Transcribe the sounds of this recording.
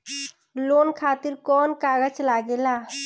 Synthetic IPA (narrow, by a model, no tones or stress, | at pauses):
lonkʰat̪iɾkɔnkaɡəd͡ʒlaɡela